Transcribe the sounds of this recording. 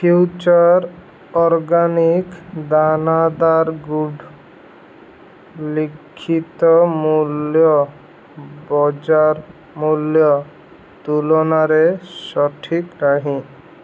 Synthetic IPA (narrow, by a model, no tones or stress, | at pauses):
fjuwt͡ʃaɾ | ɔɾɡanikd̪anad̪aɾɡuɖ | likʰːit̪ɔmuljɔ | bɔd͡ʑaɾ | muljɔ | t̪ulonaɾeʃɔʈʰikɾaɦĩ